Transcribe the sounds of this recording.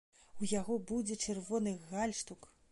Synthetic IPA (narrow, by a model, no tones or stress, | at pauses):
ujaɣɔbud͡zʲɛt͡ʂɨrvɔnɨɣalʲʂt̪uk